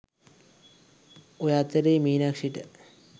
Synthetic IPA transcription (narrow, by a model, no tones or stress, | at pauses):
ojat̪ːəɾeːmiːnakʂiʈə